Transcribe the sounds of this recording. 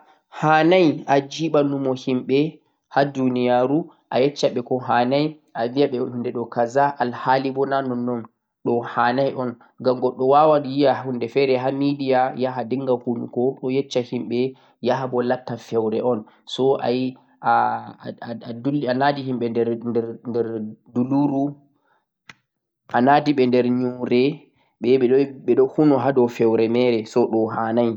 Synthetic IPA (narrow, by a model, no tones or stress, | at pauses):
haːnajad͡ʒiɓanumɔhimɓɛ | hadunijaɾu | ʔajɛt͡ʃːaɓɛkɔɦanaj | ʔavijaɓɛhundɛɗɔkazaʔalhalibɔnanɔnːɔm | ɗɔhanajʔɔn | ɡamɡɔɗːɔwawanjijahundɛfɛɾɛɦamidijajaɦadiŋɡahunukɔɗɔjɛt͡ʃːahimɓɛ | jaɦabɔlatːafɛwɾɛʔɔn | sɔʔa̰ji | a | duanadihimɓɛɛnɛɾndɛɾduluɾu | ʔanadiɓɛndɛɾɲuɾɛ | ɓɛɛɛɗɔɓɛɗɔhunɔɦadɔfɛwɾɛmɛɾɛsɔɗɔɦanaj